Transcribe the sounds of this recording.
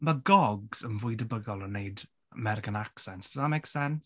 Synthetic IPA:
maɡɔɡz̥ənvʊjdəbəɡɔlˠənːejd | əmɛɾɪɡənaksɛntəðamejksɛns

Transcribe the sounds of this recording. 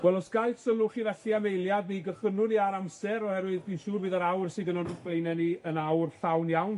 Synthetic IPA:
wɛlˠɔsɡ̥aɨθsənʊχiːvɛɬiamejlˠjabiɡəχənʊniaɾamsɛɾɔhɛɾwɨðbiːnʃuːrbɨːðaɾawrsɪɡənɔnb̥lejnɛniənawrθawnjawn

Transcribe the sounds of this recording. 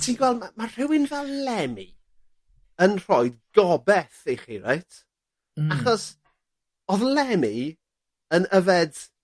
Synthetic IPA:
tʰiːnɡwɛldmamar̥ɪwɪnvɛlˠlɛmi | ənr̥ɔɨdɡɔbɛθejχiɾḛjtʰ | aχɔs | ɔðlˠɛmi | ənəvɛd

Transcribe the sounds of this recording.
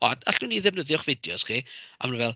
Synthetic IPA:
ɔd̥a̰ɬn̥uniðɛvnəðjɔχvɪdjɔsχia̰mnvɛlˠ

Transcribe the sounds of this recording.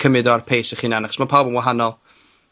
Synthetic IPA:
kʰəmɪdɔarpʰeːsəχinanaχɔ̥smapʰaːlˠbənwaɦanɔlˠ

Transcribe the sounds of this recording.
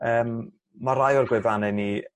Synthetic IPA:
əːmː | aɾajɔlˠɡwɪvanɛni

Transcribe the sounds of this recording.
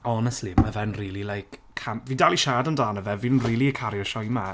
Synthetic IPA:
ɔnɛstliməvɛnriːlˠilˠajkʰ | amviːdaliʃaːdəndaːnəvɛvinriːlˠiəkʰaɾjɔʃɔjma

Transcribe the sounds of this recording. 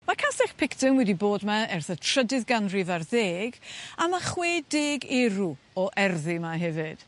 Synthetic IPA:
makʰasɛχpʰɪktɪŋwɛdiboːdmaɛrθətʰr̥ədɪðɡanrivarðeːɡamaχweːdeːɡɛɾu | ɔʔɛrðɪmaɦɛvɨd̥

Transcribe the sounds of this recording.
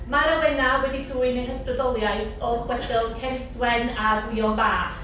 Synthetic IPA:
maɾəwɛnawɛdiduːɨnəhəstrɔdɔlˠjajθɔχwɛd̥ɪlˠkʰɛɬdwɛnadwiːɔnbaː

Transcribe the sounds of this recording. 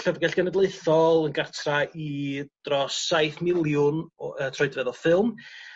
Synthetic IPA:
ɬəvɡɛɬɡ̥ɛnɛdlˠeɨθɔlˠənɡartʰraid̥rɔsajθmɪlˠjʊnətʰrɔɨdvɛðɔfɪlˠm

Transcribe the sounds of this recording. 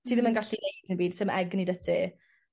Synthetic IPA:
tʰiːðɪmənɡaɬinejdɪnbiːd̥sɪmʔɛɡnidətʰi

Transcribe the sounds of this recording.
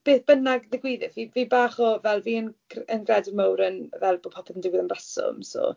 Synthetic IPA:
b̥eːθb̥ənaɡðɪɡwɪðɪθviːviːbaːχɔvɛlˠviːənɡ̥rənɡrɛdɪmawɾənvɛlˠbopʰɔpʰɛðəndɪwɪðənbrasɔ̰mso̰ː

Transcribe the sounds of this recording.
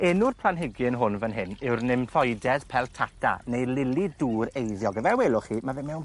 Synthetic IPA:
ɛnʊrpʰlˠanɦɪɡɪnɦʊnvənɦɪnɪwrnɪmθɔjdɛð̥pʰɛlˠtʰatʰa̰nejlɪlˠiduːɾejðjɔɡəvɛweːlˠʊχimavɛmɛwn

